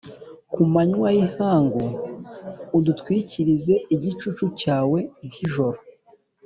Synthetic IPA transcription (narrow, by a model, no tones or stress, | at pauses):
kumaɲwajihaːŋɡo | udutkwiːciɾize̞iɟit͡ʃut͡ʃucaːwe̞ŋhiʒo̞ɾo